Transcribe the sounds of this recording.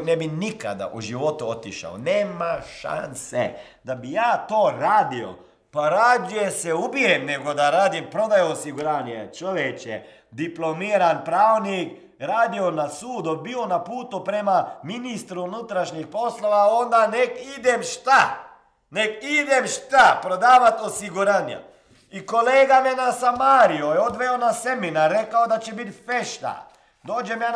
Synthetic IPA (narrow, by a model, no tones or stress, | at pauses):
nɛbinika̰d̪a̰ʔuʒiʋot̪uot̪iʃa̰wneːmaʃa̰nsḛ | d̪abijaːt̪oːɾaːd̪io̰ | paɾaːd̪ujesɛubiɾemneɡod̪aɾaːd̪impɾod̪ajoosiɡuɾaːnet͡ʃoʋjet͡ʃjḛ | d̪iplomiːɾanpɾaːʋwnik | ɾaːd̪ionasuːd̪ubiːonapuːt̪upɾemaminist̪ɾuunut̪ɾaʃɲixpo̞slˠo̞ʋao̞nd̪anekid̪emʃt̪a | nekid̪emʃt̪apɾod̪aːʋat̪osiɡuɾaːna̰ | iko̞leːɡamenasamaːɾijojeod̪ʋeonase̞minaɾːe̞kaod̪at͡ʃebit̪feʃt̪a̰ | d̪o̞ːd͡ʒemjaː